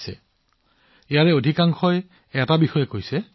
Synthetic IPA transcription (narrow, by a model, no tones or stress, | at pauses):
sɛ̰ | ejaɹɛodʱikaŋxɔj | ɛtabixɔjɛkojsɛ